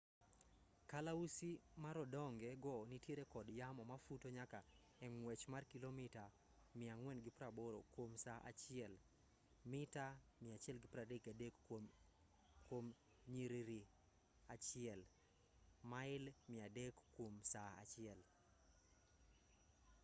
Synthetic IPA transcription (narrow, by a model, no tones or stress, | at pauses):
kalausimaɾɔdɔŋɡɛɡɔnitjeɾekɔdjamɔmafutoɲaka | ɛŋwɛt͡ʃmarkilomɪta | mɪaŋwɛnɡɪpɾaboɾo̰kwomsaʔa̰t͡ʃɪɛl | mɪtamɪat͡ʃɪɛlɡɪpɾadekadek | kwom | ɲiɾiɾi | at͡ʃɪɛl | maɪlmɪadekkːwomsaa̰t͡ʃɪɛl